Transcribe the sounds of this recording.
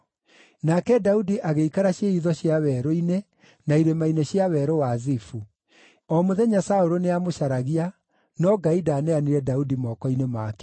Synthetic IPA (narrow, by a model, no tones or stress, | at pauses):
nakɛdaudiʔaɣeikaɾaɕeiðɔɕiawɛːɾoine | naiɾemaineɕiawɛɾowazifu | ɔmoðɛɲasaoɾoneamoʃaɾaɣia | nɔɡaidaːnɛaniɾɛdaudimɔːkɔinemaːkɛ